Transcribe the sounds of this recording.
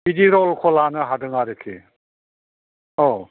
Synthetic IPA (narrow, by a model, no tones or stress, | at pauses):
bidiɾɔlkʰɔlanɯɦadɯŋaɾekʰi | ɔ